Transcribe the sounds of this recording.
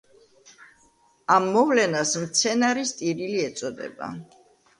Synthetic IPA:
amːɔvlɛnasmt̪sʰɛnaɾist̪ʼiɾiliɛt̪sʼɔd̪ɛ̰ba̰

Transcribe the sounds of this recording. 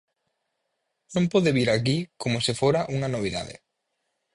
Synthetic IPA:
nõmpoðeβiɾakikomosifoɾaʔuŋanoβ̞iða̰ðḛ

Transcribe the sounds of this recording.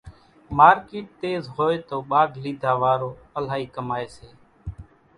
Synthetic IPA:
maːɾkeːʈ̚t̪eːzɦoːeːt̪oːɓaːɡliːd̪ʱaːʋaːɾoːəl̤aːɦiːkəmaːeːseː

